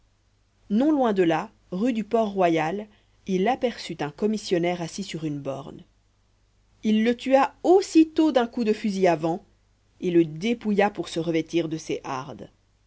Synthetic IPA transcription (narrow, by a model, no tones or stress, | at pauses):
nɔ̃lwɛ̃d̪əla | ʁyd̪ypɔʁːwajal | ilapɛʁsyt̪ɛ̃kɔmisjɔnɛʁasisyʁynbɔ̰ʁn | ilːət̪yaosit̪od̪ɛ̃kud̪əfyziavɑ̃ | eləd̪epujapuʁsəʁəvɛt̪iʁd̪əseʔa̰ʁd̪